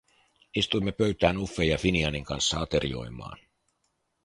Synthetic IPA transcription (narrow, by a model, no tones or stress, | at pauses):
ist̪ujmːe̞pøɥt̪æːnufːejɑfiniɑniŋkɑnsːɑɑt̪e̞ɾḭo̞̰jmɑ̰ːn